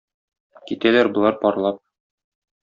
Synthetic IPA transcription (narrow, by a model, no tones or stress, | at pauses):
kit̪ælæɾbɤ̆lˠɑɾpɒɾlˠɑp̚